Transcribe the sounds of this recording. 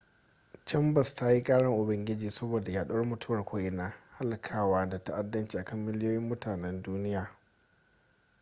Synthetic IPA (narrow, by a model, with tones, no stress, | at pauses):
t͡ʃɛ˦mbɐ˨sta˦ji˦kʼaː˦ɽɐ˦ŋʔʊ˨bɐ˦ŋɡʲɪ˦d͡ʒiː˨sɐ˦boː˨da˨jaː˦ɗu˦mʊ˨tʊ˦wɐ˨rkʷoː˦ʔɪ˨naː˦ha˦lkʰaː˦waː˦da˨ta˦ʔa˦dːɐ˦nt͡ʃiː˨ʔa˨kɐ˦˨mːɪ˦ljoː˦jɪ˦mːʊ˦taː˨nɛ˦nduː˦nɪ˦jaː˨